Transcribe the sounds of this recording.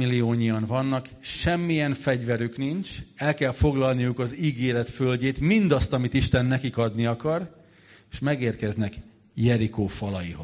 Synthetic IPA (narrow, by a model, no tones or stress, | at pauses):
ilːioːɲijɒnvɒnːɒk | ʃɛmːijɛnfɛɟvɛɾyknint͡ʃɛlkɛlfo̞ɡlɒlnijukɒziːɡeːɾɛt̪følɟeːt̪mind̪ɒst̪ɒmit̪iʃt̪ɛnːɛkikɒd̪niɒkɒr | eʃmɛɡeːrkɛznɛk | jɛɾikoːfɒlɒjiɦo